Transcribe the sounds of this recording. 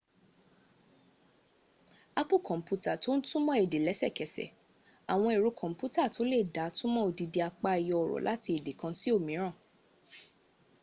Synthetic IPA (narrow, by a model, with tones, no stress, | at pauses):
a˦pu˦˨kɔ̃˨m̩˨pu˦˧ta˦˨to˦n̩˦tũ˦mɔ̃˦e˨de˨lɛ˨˦sɛ̰˦˨kɛ˨sɛ̰˨ | a˨w̃ɔ̃˧i˨ɾu˨˦kʰɔ̃˨m̩˦pu˦ta˦˨to˨˦le˦˨da˨˦tũ˦mɔ̃˦o˧di˧de˧a˧k͡pa˧i˨jɔ˧ɔ˨ɾɔ̰˨lʔa˦ti˧e˨de˨kã˧si˦o˦˨mĩ˨˦ɾ̃ã˦˨